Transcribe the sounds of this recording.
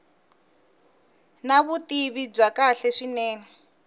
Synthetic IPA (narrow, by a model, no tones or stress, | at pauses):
naβutiβib͡ʐakaɬɛʂinɛːnɛ